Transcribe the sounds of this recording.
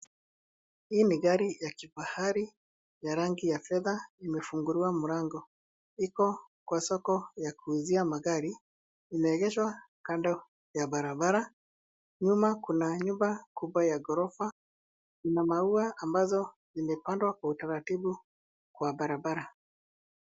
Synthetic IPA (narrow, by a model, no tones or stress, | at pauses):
hiːniɣaɾijakibahaɾi | jaɾaŋɡijafɛðaimɛfuŋɡuɾiwamuɾaŋɡɔ | ikɔ | kwasɔkɔjakuːziamaɣaɾiː | mɛːɣɛʃwa | kandɔ | jabaɾabaɾa | ɲumakunaɲumbakubwajaɡɔɾɔfa | inamauaambazɔ | zimɛpandwakwautaɾatibu | kwabaɾabaɾa